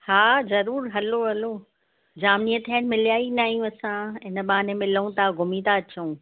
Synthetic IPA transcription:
haːzɐɾuːɾɦɐloɦɐlo | d͡ʑaːmniət̪ʰənmɪlijaːinaːɦijũɐsãɪnə̆ɓaːnemɪlũt̪aːɡʱʊmit̪aɐt͡ɕəũː

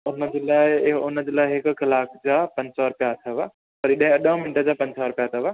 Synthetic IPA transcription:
ʊnəd͡ʑeːlaːɪʊnə̆d͡ʑeːlaːɪɦɪkkɐlaːkʰd͡ʑaːpɐ̃ɲsɔɾʊpjat̪ʰɐʋa | pɐɾɪɗɦɪ̃ɐɗə̃mɪnʈəd͡ʑaːpɐ̃ɲsɔɾʊpjat̪ʰɐʋa

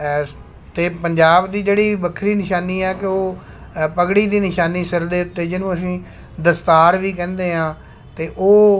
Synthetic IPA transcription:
t̪eːpəɲd͡ʒaːbd̪iːd͡ʒeːɽiːbəkʰɾiːnɪʃaːniːɛːkɪoː | pəɡɽiːd̪iːnɪʃaːniːsɪɾd̪eːʊt̪ːeːd͡ʒɪnũːəs̬ĩː | d̪əst̪aːɾʋiːk̬ɛ̃ːnd̪eːɦãː | t̪eːʔoː

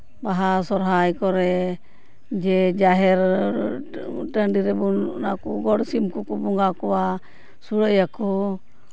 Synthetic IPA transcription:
baɦasɔɾɦajkɔɾɛ | d͡ʒɛd͡ʒaɦɛɾ | ʈəɳɖiɾɛbunnakɔɡɔɽsimkukɔbɔŋɡakɔwa | suɽəjakɔ

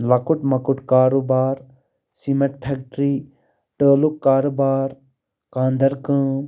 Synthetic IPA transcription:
lɐkuʈmɐkuʈkaːɾobaːɾ | simɐʈpʰek̚ʈɾiː | ʈəːlukːaːɾobaːɾ | kãːnd̪ɐɾkə̃ː

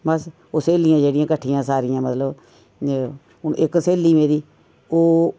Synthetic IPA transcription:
bəs | oːseːlɪjãːd͡ʒeːɽɪjãːkəʈʰːɪjãːsaːɾɪjãːmət̪ləb | ʊnʔɪkseːliːʋẽːd̪iː | oː

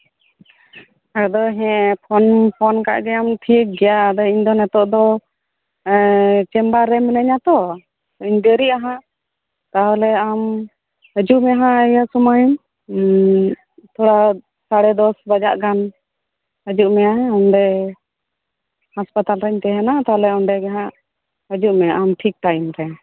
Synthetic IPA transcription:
ad̪ɔɦɛ̃pʰɔnpʰɔnka̰ʔɡɛamʈʰik̚ɡɛjaəd̪ɔiɲd̪ɔnɛt̪ɔʔd̪ɔ | t͡ʃɛmbaɾɛmənəɲat̪ɔ | iɲd̪əɾiʔaɦã | t̪aɦɔlɛam | əd͡ʒuʔmɛaɦãʔəjasɔmajun | t̪ʰɔɽa | saɽɛd̪ɔsbad͡ʒaʔɡan | əd͡ʒuʔmɛjaɦɛ̃ɔnɖɛ | haspat̪alɾəɲt̪ɛɦɛnat̪aɔlɛɔɳɖɛɡɛɦãʔ | ɦəd͡ʒuʔmɛʔamʈʰik̚ʈajumɾɛ

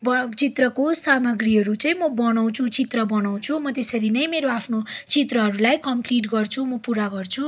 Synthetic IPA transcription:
bʌt͡sit̪rʌkosamʌɡɾiɦʌɾut͡sʌĩmʌbʌnʌw̃t͡sʰut͡sit̪rʌbʌnaw̃t͡sʰumʌt̪esʌɾinʌjmeɾoapʰnot͡sit̪rʌɦʌɾulajkʌmpliʈɡʌrt͡sʰumʌpuɾaɡʌrt͡sʰu

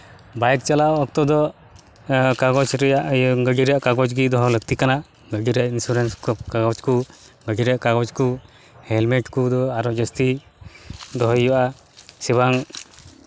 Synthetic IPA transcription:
bajk̚t͡ʃalaɔk̚t̪ɔd̪ɔ | kaɡɔt͡ʃɾɛjaʔɡəɡiɾaʔkaɡɔd͡ʒɡid̪ɔɦɔlək̚t̪ikana | ɡəɡiɾaʔinsuɾenskkaɡɔt͡ʃku | ɡəɡiɾaʔkaɡɔt͡ʃku | hɛlmeʈkud̪ɔaɾɔd͡ʒɔst̪i | d̪ɔɦɔjjɔʔa | sibaŋ

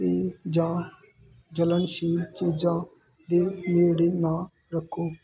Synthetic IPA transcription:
iːd͡ʒãː | d͡ʒələnʃiːlt͡ʃiːd͡ʒãː | d̪iːmɪːɾɽiːnãː | ɾəkʰːoː

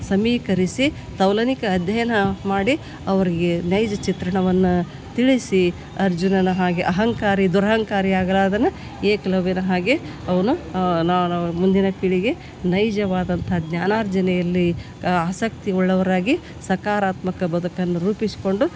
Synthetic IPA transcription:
sɐmiːkɐɾisi | t̪ɐwlɐnikɐːd̪ʱjɐjɐnɐmaːɽi | ɐʋɐɾiɡe̞nɐjd͡ʒɐt͡ʃit̪ɾɐɳɐʋɐnːu | t̪iɭisi | ɐɾd͡ʒunɐnɐɦaːɡeʔɐɦɐŋkaːɾid̪uɾɐɦɐŋkaːɾiaːɡɐlaːd̪ɐnu | eːkɐlɐʋinɐɦaːɡe | ɐʋɐnunamund̪inɐpiɭiɡe̞ | nɐjd͡ʒɐʋaːd̪ɐnt̪ʰɦɐɡnjaːnaːɾd͡ʒɐnɛjɐlːi | aːsɐk̚t̪iɔɭːɐʋɐɾaːɡi | sɐkaːɾaːt̪mɐkɐbɐd̪ukɐnːuɾuːpisi̥ko̞ɳɖu

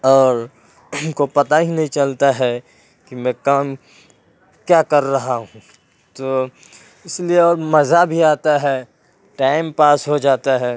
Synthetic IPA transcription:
ɔːɾ | kopɐt̪aɦinɐɦĩt͡ʃɐlt̪aɦɛ | kimɛ̃kaːm | kjaːkɐɾːɐɦaɦũ | t̪oː | ɪslieɔːɾmɐzabʱiaːt̪aɦɛ | ʈaːɪmpaːsɦod͡ʒaːt̪aɦɛː

